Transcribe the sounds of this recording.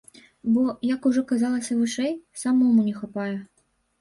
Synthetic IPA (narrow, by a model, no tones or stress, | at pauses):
bɔjɐkuʐɔkazalˠɐsʲɐvɨʂɛjsamɔmunʲɛxapajɛ